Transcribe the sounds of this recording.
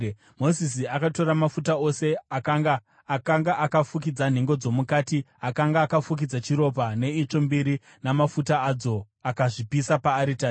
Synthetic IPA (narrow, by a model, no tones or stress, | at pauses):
mo̞zis̬iakato̞ɾamafutao̞se̞akaɡaː | kaŋɡaʔakafuk̬id͡zan̤e̞ŋɡo̞d͡zo̞mukaːti | akaŋɡaːkafuk̬id͡zat͡ʃiɾo̞p̬ane̞it͡ʂo̞mbiɾi | namafutaːd͡zo̞ | akaʐipisapaːɾita